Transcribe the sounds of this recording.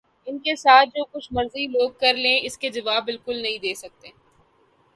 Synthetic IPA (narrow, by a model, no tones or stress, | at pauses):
ɪnkesaːt̪̚ʰd͡ʒoːkʊt͡ʃʰmɐɾziloːɡ̚kɐɾlẽːɪsked͡ʒɐʋaːbːɪlkʊlnɐɦĩd̪eːsɐk̚t̪e